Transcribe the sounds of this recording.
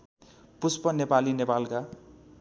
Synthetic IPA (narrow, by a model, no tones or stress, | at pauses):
puspʌnepalinepalka